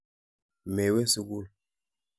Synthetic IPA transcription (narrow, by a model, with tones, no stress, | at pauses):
me˨we˦si˦ɡu˦˨l